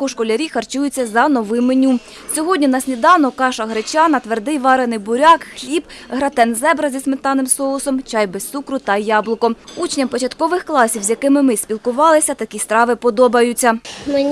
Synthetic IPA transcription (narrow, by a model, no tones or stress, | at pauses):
kɔʃkɔlʲɐɾʲixɐrt͡ʃujʊt͡sʲːɐzɐnɔʋɪmenʲu | sʲɔɦɔdʲnʲinɐsʲnʲid̪ɑwnɔkɑʃɐɦɾet͡ʃʲɑnɐt̪ʋerd̪ɪjʋɑɾenɪjbʊɾʲɑkxlʲibɦɾɐt̪ɛnzɛbɾɐzʲismet̪ɑnɪmsɔʊsɔmt͡ʃɑjbɛst̪sukɾʊt̪ɐjɑblˠʊkɔut͡ʃnʲɐmpɔt͡ʃɐt̪kɔʋɪxklˠɑsʲiwzʲjɐkɪmɪmɪsʲpʲilˠkʊʋɑlˠɪsʲɐt̪ɐkʲist̪ɾɑʋɪpɔd̪ɔbɐjʊt͡sʲːɐmɪ